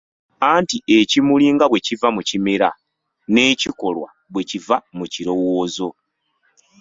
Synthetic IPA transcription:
aːntie̞cimuliːŋɡaβwe̞civamucimiɾa̰ | ne̞ːciko̞lwa̰ | βwe̞civamuciɾo̞woːzo̞

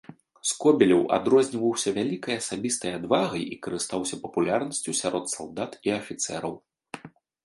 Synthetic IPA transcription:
skɔbʲɛlʲɐwa̰d̪ɾɔzʲnʲivɐwsʲɐvʲalʲikɐjɐsabʲist̪ɐjad̪vaɣɐjikɐɾɨst̪awsʲɐpɐpulʲarnɐsʲt͡sʲusʲaɾʔɔt̪salˠd̪at̪iɐfʲit̪sɛ̰ɾɐw

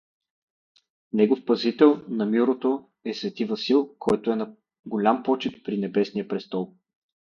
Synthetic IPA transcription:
nɛɡofpɐzit̪ɛlˠnɐmiɾot̪o | ɛsvɛt̪ivɐsilˠkʰɔjt̪oɛnɐ | ɡolʲampɔt͡ʃit̪̚pɾinɛbɛsnijəpɾɛst̪ɔlˠ

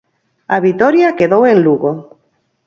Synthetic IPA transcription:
aβit̪ɔɾjakeðowenluɣo

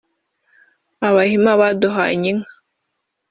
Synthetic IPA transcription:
aβahimaβadɔɦaa̰ɲiŋ

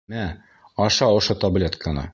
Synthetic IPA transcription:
mæ | ɒʃɑŏʃot̪ɐblʲet̪kʰənɤ̰

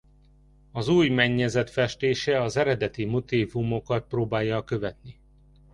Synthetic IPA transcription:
ɒzuːjmɛɲːɛzɛt̪fɛʃt̪eːʃɛɒzɛɾɛd̪ɛt̪imot̪iːvumo̞kɒt̪̚proːbaːjːɒkø̞vɛt̪ni

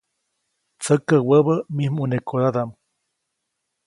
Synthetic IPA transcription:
t͡səkəwəβəmihmunekoɾad̪am

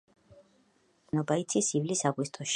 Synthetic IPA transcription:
nɔbait̪sʰisivlisaɡwist̪ʼɔʃ

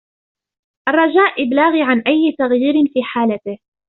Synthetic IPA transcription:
ʔarˤːɑd͡ʒaːʔʔɪblaːɣiːʕanʔajːɪt̪aɣjiːɾɪnfiːħaːlat̪ɪh

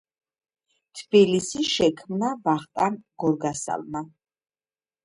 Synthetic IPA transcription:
t̪ʰbilisiʃɛkʰmnabaχt̪ʼanɡ̥ɔɾɡasa̰lˠma

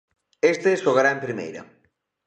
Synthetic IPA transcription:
est̪esʎoɣaɾaempɾimḛjɾɐ̰

